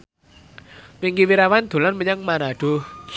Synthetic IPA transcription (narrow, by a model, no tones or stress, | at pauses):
mɪŋkiwiɾawand̪̥o̤lanməɲaŋmanaɖ̥ʊh